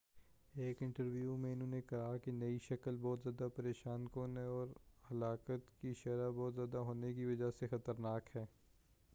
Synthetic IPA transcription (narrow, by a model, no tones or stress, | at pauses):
eːkɪ̃ɳʈəɾʋjumẽɪnɦõːnekɐɦakinɐiʃɐkəlbɔːt̪zjaːd̪apɐɾeːʃaːnkonɦɛ̃ɔːɾhɐlaːkət̪kiʃɐɾabɔːt̪zjaːd̪aɦoːnekiʋɐd͡ʒasexɐt̪əɾnaːkɦɛː